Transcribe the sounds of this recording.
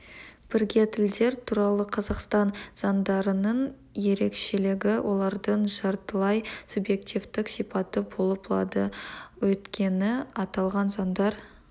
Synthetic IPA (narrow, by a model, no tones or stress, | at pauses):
b̥ɪɾɡʲe̞t̪ʰɪld̪e̞ɾt̪ʰuɾɑlˠəqʰɑzɑqst̪ɑnz̥ɑnd̪ɑɾənəɴ | je̞ɾe̞kʃe̞lɪɡʲɪwʔo̞lˠɑɾd̪əɴʒɑɾt̪əlˠɑjsubje̞kt̪ʲivt̪ɪksijpɑt̪əbo̞lˠəplˠɑ̰d̪əwɵt̪kʲʰe̞nɪɑt̪ɑlˠʁɑnzɑnd̪ɑɾ